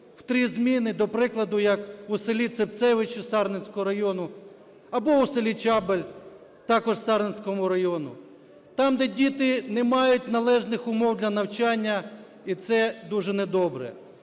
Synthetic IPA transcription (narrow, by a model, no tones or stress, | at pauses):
w̥t̪ɾʲizmʲinɪd̪ɔpɾɪklˠɐd̪ʊjɐkuselʲit̪sep̚t̪sɛʋɪt͡ʃʊsɑrnenʲsʲkɔɦɔɾɐjɔnʊ | ɐbɔuselʲit͡ʃɑbelʲ | t̪ɑkɔʒsɑɾenʲsʲkɔmʊɾɐjɔnʊ̰ | t̪ɑmd̪ɛdʲit̪ɪnɛmɑjʊtʲnɐlˠɛʒnɪxʊmɔwd̪ʲlʲɐnɐwt͡ʃɑnʲːɐ | it̪sɛd̪uʒɛnɛd̪ɔbɾɛ̰